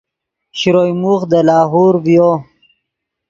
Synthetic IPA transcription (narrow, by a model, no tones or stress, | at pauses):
ɕɾojmuxd̪əlɑːɦoːɾvjo